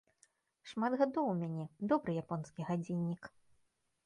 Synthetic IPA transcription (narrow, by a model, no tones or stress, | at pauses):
ʂmad̪ɣad̪ɔwmʲanʲɛd̪ɔbɾɨjapɔnskʲiɣad͡zʲinʲːik